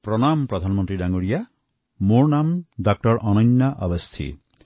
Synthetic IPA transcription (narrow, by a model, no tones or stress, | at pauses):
pɾɔnampɾɔd̪ʱanmɔ̃nt̪ɾidaŋoɽija | moɾnamdak̚ʈɔɾʔɔnɔnːaʔʌbɔst̪ʰḭ